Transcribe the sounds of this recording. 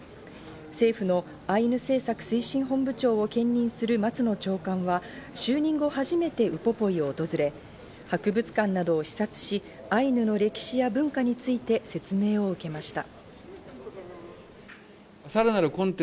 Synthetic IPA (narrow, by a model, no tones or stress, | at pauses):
se̞ːɸɯ̟no̞ | ainɯ̟se̞ːsakɯ̟̥sɨiɕĩɰ̃ɦõ̞mbɯ̟t͡ɕo̞ːokẽ̞ɲ̟ːʲĩɰ̃sɨɾɯ̟mat͡sɨno̞t͡ɕo̞ːkãɰ̃βaɕɨːɲ̟ĩŋɡo̞haʑime̞t̪e̞ɯ̟po̞po̞io̞ːt̪o̞zɨɾe̞ | hakɯ̟bɯ̟t͡sɨ̥kãnːad̪o̞ːɕi̥sat͡sɨ̥ɕi | ainɯ̟no̞ɾe̞kʲi̥ɕijabɯ̟̃ŋkaɲ̟it͡sɨit̪e̞se̞t͡sɨme̞ːo̞ɯ̟ke̞maɕi̥t̪a̰ | saɾanaɾɯ̟kõnt̪